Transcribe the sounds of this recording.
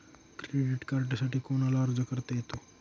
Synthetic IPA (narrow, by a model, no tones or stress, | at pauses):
kɾeɖiʈkaɾʈsaʈʰiːkoñalaəɾd͡zəkəɾt̪ejet̪o